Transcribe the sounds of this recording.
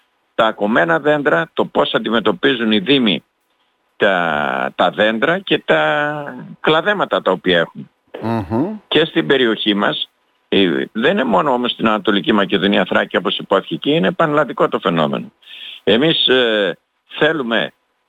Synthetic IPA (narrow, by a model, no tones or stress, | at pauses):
t̪ɐːko̞me̞nɐðe̞nd̪ɾɐt̪o̞po̞sɐnd̪ime̞t̪o̞pizuniðimḭ | t̪ɐt̪ɐðe̞nd̪ɾɐce̞t̪ɐ | klɐðe̞mɐt̪ɐt̪ɐo̞piɐe̞xum | ce̞st̪ibe̞ɾio̞çimɐ̰s | ḭðeninemo̞no̞omo̞st̪inɐnɐt̪o̞licimɐce̞ðo̞niɐθɾɐcio̞po̞sipoθi̥çeciine̞pɐnlɐnd̪iko̞t̪o̞fe̞no̞̰me̞̰no̞e̞mis | θe̞lume̞̰